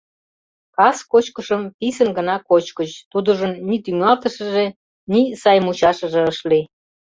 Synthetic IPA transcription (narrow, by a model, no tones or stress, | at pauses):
kɑskot͡ɕkəʃəmpisənɡə̆nɑkot͡ɕkət͡ɕt̪ud̪uʒənnit̪yŋɑlt̪əʃə̆ʒe | nisɑjmut͡ɕɑʃəʒĕəʃli